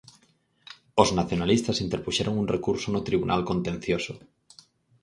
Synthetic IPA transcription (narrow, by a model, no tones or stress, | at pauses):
oznaθjonalist̪asint̪eɾpuʃeɾoŋunrekuɾsonot̪ɾiβunʔa̰lkont̪ẽn̟θjoso